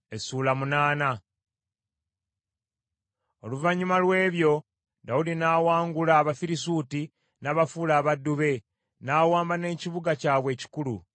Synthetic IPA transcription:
esuːlamunaːna | o̞̰luvaɲːumalwe̞ːβjo̞ | daudinaːwaːŋɡulaːβafiɾisuːti | naβafuːlaːβadːuβe̞ | naːwaːmbane̞ːciβuɡacaːβwe̞ːci̥kulu

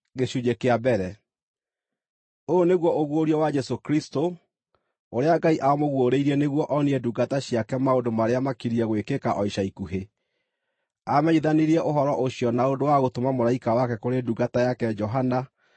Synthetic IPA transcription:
ɣeɕuɲekeabɛɾɛ | ooneɣwɔʔoɣwoɾjɔwad͡ʒɛsokɾisto | oɾeaɡaiʔaɔmoɣwoɾeiɾɛneɣwɔʔɔniɛduɡataɕiakɛmaondomaɾeamakiɾiɛɣwekekaʔɔiʃaikuɦe | amɛɲiðaniɾiɛʔoɦɔɾɔʔoɕjɔnaondowaɣotomamoɾaikawakɛkoɾeduɡatajakɛd͡ʒɔɦana

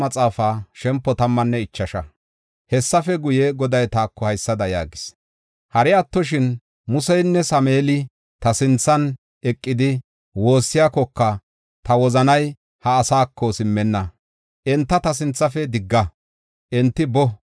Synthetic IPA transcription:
mɐt͡sʼaːfaːʃɛmpːɔt̪ɐmːɐnːɛɪt͡ʃːɐʃɐ | hɛsːɐfɛɡʊjɛɡɔd̪ɐjt̪aːkːɔhɐjsːɐd̪ɐja̰ːɡɪs | hɐɾɪɐt̪ːɔʃ̬ɪn | mʊsɛjnːɛsɐmeːlɪ | t̪ɐsɪnt͡sːɐn | ɛkʼːɪd̪ɪ | wo̞ːsːɪjakɔkːɐ | t̪ɐwɔzɐnɐj | hɐːsaːkʰːɔsɪmːɛnːɐ | ʔɛnt̪ːɐt̪ɐs̬ɪnt͡sːɐfɛd̪ɪɡːɐ | ʔɛnt̪ːɪbɔ

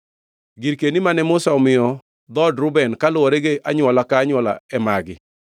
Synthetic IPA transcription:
ɡiɾkenimanɛmʊsaɔmɪjɔ | d̪ɔdɾʊbɛnkalʊwɔɾeɡeʔaɲʊwɔlakaːɲwɔla̰ɛmaɡɪ

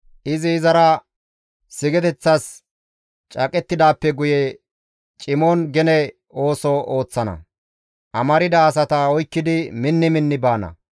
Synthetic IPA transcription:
ʔɪzɪːzɐɾɐ | sɪɡɛt̪ɛt͡sːɐs | t͡ʃʼɐkʼɛt̪ːɪd̪aːpːɛɡʊjɛ | t͡ʃʼɪmonɡɛnɛ | o̞ːsɔo̞ːt͡sːɐnɐ̰ | ʔɐmɐɾɪd̪ɐːs̬ɐt̪ɐɔjkːɪd̪ɪmɪnːɪmɪnːɪbaːnɐ̰

